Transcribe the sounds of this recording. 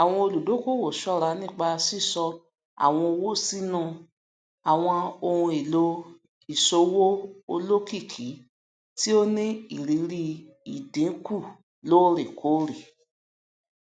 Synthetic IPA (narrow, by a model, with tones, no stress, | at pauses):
a˨w̃ɔ̃˧o˧lu˨do˨˦ko˦˨wo˨ʃɔ˦˨ɾa˧nĩ˦˨k͡pa˧si˦˨sɔ˧ | a̰˨w̃ɔ̃˧o˧wo˦si˦nũ˦˨ | a˨w̃ɔ̃˧o˧hũ˧i˨lo˧ | i˨so˧˦wo˦o˧lo˦ki˦˨kʰi˨˦ | ti˦o˦nĩ˦i˦˨ɾi˨˦ɾi˧ | i˨dẽ˨˦ku˦˨ | lo˨˦ɾe˨kʰo˨˦ɾi˨